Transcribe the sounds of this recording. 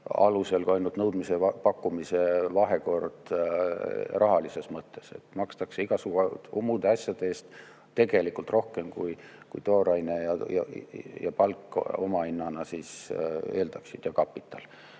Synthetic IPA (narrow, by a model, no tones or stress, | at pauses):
ɑ̰luse̞lkuɑjnult̪nɤwd̪̥mise̞ɑpɑkːumise̞vɑɦe̞ko̞rd̪̥ | rʔɑɦɑlise̞smɤt̪ːe̞se̞̰t̪ːmɑkst̪ɑkseiɡ̥ɑsuɡuumud̪̥eɑsʲjɑd̪̥eeːst̪ | t̪ːe̞ɡ̥e̞likult̪ro̞hke̞mkujkujt̪o̞ːɾɑjnejɑjɑ̰jɑ̰pɑlkːˑo̞mɑinːɑnɑsiːse̞ːld̪ɑksid̪̥jɑkɑpːˑit̪ːˑɑl